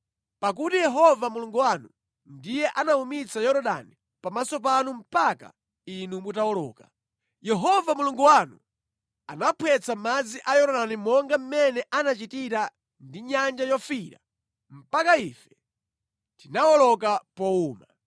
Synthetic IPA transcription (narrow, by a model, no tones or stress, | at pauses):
pak̬utijɛɦɔvamuluŋɡuwanu | ndijɛʔanaumit͡sajɔɾɔɗa̰ni | pamasɔpanum̩paka̰ | inumutaɔlɔ̰ːka | jɛɦɔvamuluŋɡuwanu | a̰napʰwɛt͡samad͡ziʔajɔɾɔɗanimɔŋɡam̩mɛnɛʔanat͡ʃitiɾa | ndiɲand͡ʒajɔfiɾa̰ | m̩pakaifɛ̥ | tinawɔlɔk̬apɔuːma